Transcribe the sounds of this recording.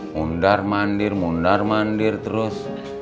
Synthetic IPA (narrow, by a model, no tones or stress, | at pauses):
muɳɖaɾmaɳɖiɾmuɳɖaɾmaɳɖiɾt̪ɾos